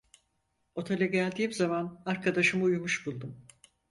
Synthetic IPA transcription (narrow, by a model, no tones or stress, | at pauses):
o̞t̪ʰelʲɛɟælʲd̪iːmzamanaɾkʰad̪aʃɯmujumuʃbulˠd̪um